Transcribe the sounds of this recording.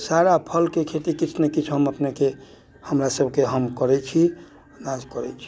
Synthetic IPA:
saɾapʰəlkekʰeʈ̪ikit͡ʃʰnekit͡ʃʰɦəməpneke | həmɾasəbkeɦəmkəɾɛt͡ʃʰi | nad͡ʒkəɾɛt͡ʃʰi̥

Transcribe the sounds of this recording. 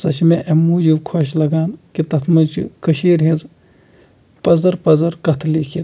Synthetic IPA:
sɐʃimeʔɐmuːd͡ʒiʋkʰoʃlɐɡaːnkit̪ɐt̪ʰmɐt͡ʃʰḭkɐʃiːɾɦiz | pɐzɐɾpɐzɐɾkɐt̪ʰlikʰi

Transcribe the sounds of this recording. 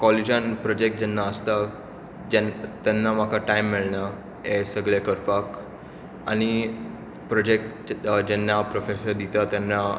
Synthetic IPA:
kɔled͡ʑanpɾɔd͡ʑek̚ʈ̚d͡ʑɛnːaəst̪a | d͡ʑɛt̪janːamakʰaʈaimːiɭɳja | ɦesəɡɭekəɾpak | a̰ɽ̃i | pɾɔd͡ʑek̚ʈ | d͡ʑɛnːapɾofesəɾd̪it̪at̪janːa

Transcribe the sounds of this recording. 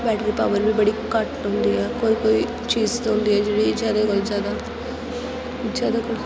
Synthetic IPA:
bɛːʈɾiːpaʋəɾbibəɽiːkəʈnʊ̃nd̪iːɛːkoːikoːi | t͡ʃiːzt̪aʊ̃nd̪iːɦɛːd͡ʒeːɽid͡ʒjaːd̪akəld͡ʒjaːd̪aː | zjaːd̪akə

